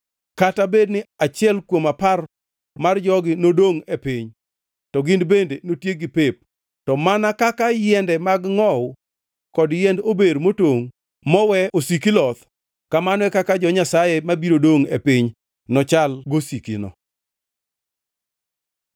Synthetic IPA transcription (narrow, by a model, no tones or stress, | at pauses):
katabednɪat͡ʃɪɛlkwomapar | mard͡ʒɔɡɪnodoŋepɪɲ | tɔɡɪndbendenotjeɡɪpep̚ | tɔmanakakajɛndɛmaɡŋɔw | kɔdjɛndobeɾmotoŋ | mɔwɛosikilɔt̪ | kamanɔwɛkakad͡ʒɔɲasajemabiɾodoŋḛpɪɲ | nɔt͡ʃalɡosikinɔ̰